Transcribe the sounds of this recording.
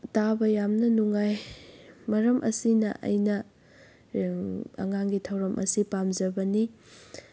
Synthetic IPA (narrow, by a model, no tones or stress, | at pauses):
tabɐjamnɐnuŋaj | mɐɾɐmʔɐ̰sinɐ̰ʔɐ̰jnɐ | ɐ̰ŋaŋɡitʰɐwɾɐmʔɐ̰sipamd͡ʒɐbɐni